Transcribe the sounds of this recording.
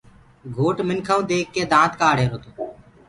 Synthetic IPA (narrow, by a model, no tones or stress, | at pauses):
ɡʱoːʈmɪnkʰãũːd̪eːkːeːd̪ãːt̪kaːɽeːɾoːt̪oː